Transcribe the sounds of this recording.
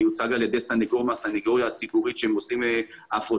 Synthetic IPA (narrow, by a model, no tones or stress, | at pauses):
jut͡saɡaljed̪esaniɡoʁmasaniɡoʁjaːt͡sibuʁit̪ʃeemosime | afʁo